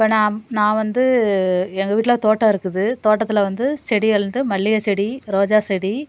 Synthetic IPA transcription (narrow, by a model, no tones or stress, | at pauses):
ɪpːoːnãːnãːʋɐnd̪ɯ | ɛŋɡɐʋiːʈ̬ːɪlɐt̪oːʈːɐ̃ɪɾɯkːɯðɯt̪oːʈːɐt̪ːɪlɐʋɐnd̪ɯsɛɽijɛɾɯnd̪ɯmɐɭːɪjɐt͡ʃɛɽiɾoːd͡ʒaːsɛɽi